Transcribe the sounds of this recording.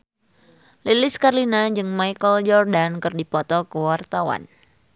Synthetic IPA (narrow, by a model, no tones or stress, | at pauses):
lilɪskarlinad͡ʒɨŋmajkəld͡ʒɔrdankɨrdipɔt̪ɔkəwart̪awa̰n